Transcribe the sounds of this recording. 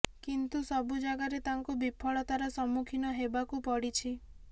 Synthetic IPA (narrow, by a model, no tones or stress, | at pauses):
kint̪usɔbud͡ʒaɡaɾet̪aŋkubipʰɔɭɔt̪aɾɔsɔmukʰinɔɦebakupɔɽit͡ʃʰi